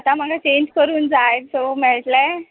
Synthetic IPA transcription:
at̪am̤aɡʱat͡ɕeɲd͡ʑkəɾuːnd͡zajet̪somɛɭʈ̪lɛ

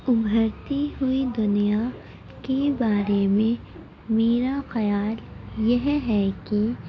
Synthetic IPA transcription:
ʊbʱəɾt̪iɦuid̪ʊnija | kebaːɾemẽ | meːɾaxɐjaːljɐɦɦɛki

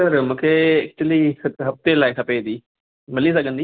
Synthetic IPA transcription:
sɐɾmũːkʰeɐk̚t͡ʃuliɐɦɐft̪elaːikʰɐped̪iː | mɪlisɐɡʱə̃nd̪iː

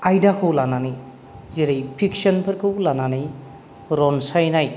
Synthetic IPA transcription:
ajdakʰɯwlananij | zeɾejpʰik̚sɐnpʰɐɾkʰɯwlananij | ɾɔnsajnaj

